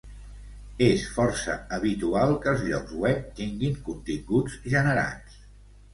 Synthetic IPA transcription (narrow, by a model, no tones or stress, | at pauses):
esfɔɾsə̰əβit̪ualˠkəlˠzʎɔ̰kzwɛp̚t̪iŋɡiŋkunt̪iŋɡud͡zʒənəɾa̰ns